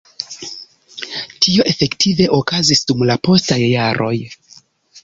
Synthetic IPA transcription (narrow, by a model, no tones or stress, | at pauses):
tʰio̞ʔe̞fe̞ktʰive̞ʔo̞kazisdumlapo̞stajːaɾʔo̞j